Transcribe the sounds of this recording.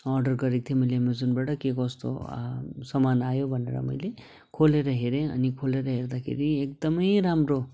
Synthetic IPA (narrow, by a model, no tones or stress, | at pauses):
ʌɾɖʌrɡʌɾik̚t̪ʰimʌjlemed͡zonbaʈʌkekʌst̪o̰sʌmanajobʱʌnḛɾʌ̰mʌ̰jle | kʰoleɾʌɦeɾẽʌ̰nikʰoleɾʌɦerd̪akʰḛɾiek̚d̪ʌmʌjɾamɾo